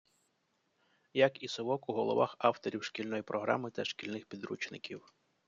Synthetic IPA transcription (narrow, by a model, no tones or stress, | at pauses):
jɐkisɔʋɔkuɦɔlˠɔʋɑxɑwt̪ɔɾʲiwʃkʲilʲnɔjipɾɔɦɾʔɑ̰mɪt̪ɐʃkʲilʲnɪxpʲid̪ɾut͡ʃnɪkʲʰiw